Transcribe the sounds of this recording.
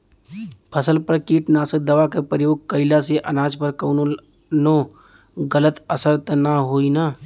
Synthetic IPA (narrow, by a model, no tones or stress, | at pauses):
pʰəsəlpəɾkiːʈnaːsək̚d̪əʋakepɾəjoːɡ̚kəɪlaseʔɐnaːd͡ʒpəɾkəːno | no | ɡələt̪əsəɾt̪naɦoːinaː